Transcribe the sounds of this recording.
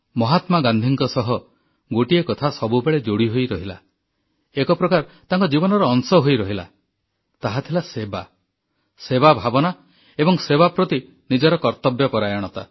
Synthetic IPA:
mɔɦat̪maɡand̪ʱiŋkɔsɔɦɔ | ɡoʈiekɔt̪ʰasɔbubeɭed͡ʒoɽiɦojɾɔɦila̰ | ekɔpɾɔkaɾt̪aŋkɔd͡ʒibɔnɔɾɔːŋsɔɦojɾɔɦila̰ | t̪aɦat̪ʰilaseba̰ | sebabʱabɔna | ebɔŋsebapɾɔt̪i | nid͡ʒɔɾɔkɔɾt̪ɔbjɔpɔɾajɔɽ̃ɔt̪a

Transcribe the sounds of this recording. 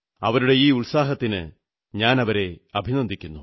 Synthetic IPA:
ɐ̰ʋɐɾuɽe̞iːuɭsaːɦɐt̪ːinɨ̰ | ɲaːnɐʋɐɾe̞ɐbʱinɐnd̪ʱikʲːunːu

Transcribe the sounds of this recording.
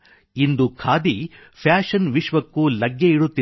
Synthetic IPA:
ind̪ukʰaːd̪i | pʰjaːʂɐnʋiʃʋɐkːulɐɡjeiɽut̪ːi

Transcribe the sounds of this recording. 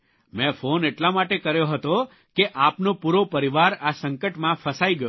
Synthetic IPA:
mɛ̃foneʈlamaʈekəɾjoɦət̪o | keʔapnopuɾopəɾiʋaɾasəŋkəʈmãfəsaiɡəjo

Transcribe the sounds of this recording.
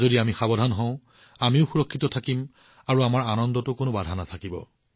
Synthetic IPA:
zodiamixabɔdʱanɦɔ̃ʊ̃ | amiʊxuɹɔkʰːitɔtʰakim | aɹuamaɹanɔndɔtʊkonobadʱanatʰakibɔ̰

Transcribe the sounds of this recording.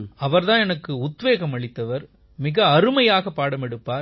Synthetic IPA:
ɐʋɐɾðãːɛnɐkːɯʊt̪ʋeːɣɐmɐɭɪt̪ːɐʋɐɾ | mɪɣɐɐɾɯmɐjaːɣɐpːaːɽɐmɛɽɯpːaːɾ

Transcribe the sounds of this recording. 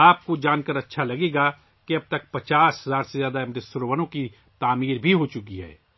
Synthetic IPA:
aːp̚kod͡ʒaːnkəɾɐtːʃʰalɐɡeːɡa | keɐb̚t̪ɐk̚pɐt͡ʃaːsɦɐzaːɾsezjaːd̪aɪmdɪsʊɾoʋənõki | t̪aːmiːɾbʱiɦoːt͡ʃʊkiɦɛ̰ː

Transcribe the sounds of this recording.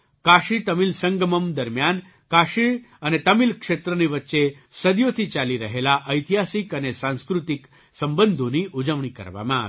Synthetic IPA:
kaʃit̪əmilsə̃ŋɡəməmd̪əɾmjan | kaʃiɭ | ənet̪əmilkʂet̪ɾəniʋət̪ːʃesəd̪jot̪ʰit͡ʃaliɾəɦelaʔəjt̪iɦasikənesãnskɾut̪ik | səmbənd̪ʱoniʔud͡ʒəʋɳikə̰ɾʋa̰mã

